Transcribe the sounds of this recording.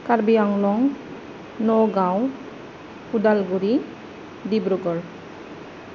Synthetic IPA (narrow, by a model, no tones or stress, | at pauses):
kaɹbijaŋlɔŋ | nɔɡãw | udalɡuɾi | dibɾɔɡɔɹ